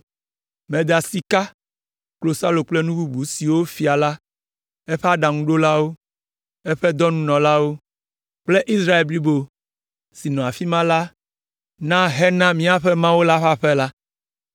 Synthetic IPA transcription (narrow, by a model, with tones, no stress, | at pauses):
mɛ̃˨d̪a˨si˨ka˦ | klo˨sa˦lo˨k͡plɛ˦nũ˦bu˦bu˨˦si˨wo˦fi˨a˨la˦ | ɛ˦ɸɛ˦a˦ɖa˨ŋũ˦ɖo˦la˦wo˦ | ɛ˦ɸɛ˦d̪ɔ˦nũ˦nɔ̃˨la˦wo˦ | k͡ple˦ʔi˦sɾa˦e˨lbli˦bo˨ | si˨nɔ̃˨a˨fi˦mã˦la˦ | nã˦ɦɛ˦nã˦mĩ˦a˨ɸɛ˦mã˦wo˦la˦ɸa˦ɸɛ˦la˦